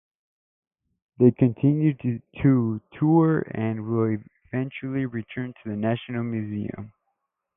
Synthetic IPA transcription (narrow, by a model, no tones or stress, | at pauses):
ðeɪkʰɨ̃ntʰɪ̃njʉd̚tʰətʰuɹɨ̃nwɪlˠɪvɛ̃nt͡ʃl̩ˠiɹitʰɜ̃˞ntʰɨðɨnæʃnl̩ˠmjʉziɨ̰̃m